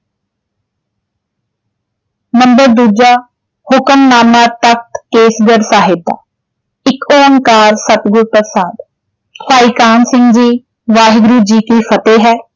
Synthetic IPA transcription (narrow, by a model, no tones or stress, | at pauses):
məmbəɾd̪uːd͡ʒaː | hʊkəmnaːmaːt̪ək̚t̪keːsɡəɾsaːɦɪd̪a̰ː | ɪkoːəŋkaːɾsət̪ɡʊɾpəsaːd̪ | paːiːkaːnsɪ̃ŋɡd͡ʒiː | ʋaːɦɡɾuːd͡ʒiːkiːfʰət̪eːɦɛː